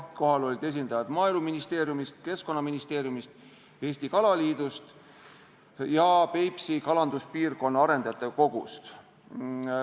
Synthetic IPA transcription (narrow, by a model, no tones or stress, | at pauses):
ko̞ɦɑlo̞lʲid̪̥e̞s̬ʲind̪̥ɑjɑd̪̥mɑːeluminist̪e̞ːɾjumist̪ke̞skˑo̞nːɑminist̪e̞ːɾjumist̪ | e̞ːsʲt̪ikɑlɑliːd̪̥ust̪ | jɑpe̞jpsikɑlɑnd̪uspiːrko̞nːɑɑɾe̞nd̪̥ɑɑt̪ːˑeko̞ɡ̥ust̪